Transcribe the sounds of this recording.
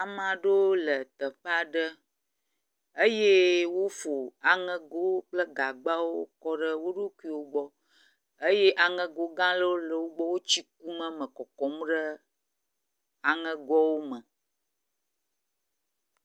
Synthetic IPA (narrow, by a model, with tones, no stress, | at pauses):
a˨mã˨ɖo˦lə˨t̪ə˨ɸe˦a˦ɖə˦ | ə˦je˦wo˦fo˨a˨ŋɛ̃˨ɡo˦k͡plə˦ɡa˨ɡ͡ba˦wo˦kɔ˦ɖə˦wo˦ɖo˦ku˦i˨wo˦ɡ͡bɔ˦ | ə˦je˦ʔa˨ŋɛ̃˨ɡo˦ɡã˦lə˦wo˦lə˨wo˦ɡ͡bɔ˦wo˦t͡ɕi˦k̚u˦mə̃˦mə̃˨kɔ˨kɔ˨m˦ɖə˦ | a˨ŋɛ̃˦ɡɔ˦wo˦mə̃˨